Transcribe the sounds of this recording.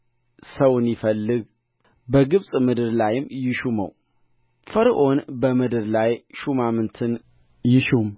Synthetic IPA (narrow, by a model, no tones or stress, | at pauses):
səwʊnjɪfəlːɨɡ | bəɡɨβsʼmɨd̪ɨɾlajɪmjɪʃumə̰w | fəɾʔo̞nbəmɨd̪ɨɾlajʃumamɨnt̪ʰɨn | jɪʃum